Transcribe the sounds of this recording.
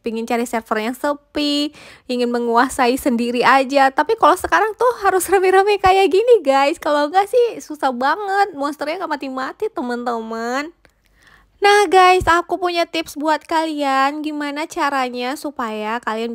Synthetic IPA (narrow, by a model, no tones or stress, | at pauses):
piŋɪnt͡ʃaɾisɛrfərjaŋsəpi | iŋɪnməŋuasaisəndiɾiad͡ʒat̪apikalosəkaɾaŋt̪ʊɦaɾʊsrəmɛɾəmɛkajaɡiniɡajskaloŋɡaʔsɪhsusahbaŋət̪̚mɔnst̪ərɲaŋɡaʔpat̪ɪŋmat̪it̪əmənt̪əmənː | ahɡajsakupuɲat̪ɪpsbuat̪̚kalianɡimanat͡ʃaɾaɲasupajakalian